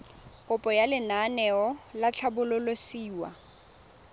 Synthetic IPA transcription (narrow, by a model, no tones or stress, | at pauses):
kʼʊpʼɔjalɪnanɛɔlat͡ɬʰabʊlʊlosiːwa̰